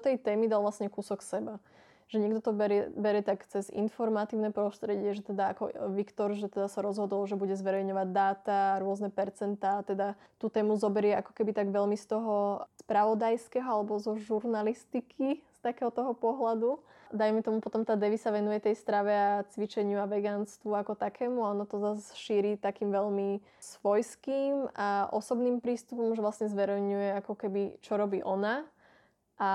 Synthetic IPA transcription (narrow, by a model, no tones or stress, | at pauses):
t̪ɛjt̪ɛːmid̪alʋlasɲɛkusɔksɛba | ʒ̥ɛɲɛɡd̪ɔt̪ɔbɛɾɛbɛɾjɛt̪akt͡sɛzḭnfɔɾmat̪iːʊnɛpɾɔst̪ɾɛɟɪɛʒɛt̪ɛd̪aakɔ̰ʋikt̪ɔɾʒɛt̪ɛd̪asaɾɔzɦɔd̪ɔlʒɛbuɟɛzʋɛɾɛjɲɔʋaɟd̪aːt̪aːɾʊɔznɛpɛɾt͡sɛnt̪aːt̪ɛd̪a | t̪uːt̪ɛːmuzɔbɛɾɪɛakɔ̥kɛbit̪aɡʋɛlmist̪ɔɦɔspɾaʋɔd̪ajskɛɦɔalɛbɔzɔʒuɾnalist̪ikʰist̪akɛːɦɔt̪ɔɦɔpɔɦlad̪u | d̪ajmɛt̪ɔmupɔt̪ɔmt̪aːd̪ɛʋisaʋɛnujɛt̪ɛjst̪ɾaʋɛat͡sʋit͡ʃɛɲɪuaʋɛɡaːnst̪ʋuakɔt̪akʰɛːmuaɔnɔt̪ɔzasʃiːɾiːt̪akiːmʋɛʎmi | sʋɔjskiːmaʔɔ̰sɔbniːmpɾiːst̪upɔmʒɛʋlasɲɛzʋɛɾɛjɲujɛakɔkɛbit͡ʃɔɾɔbiːʔɔna | ʔa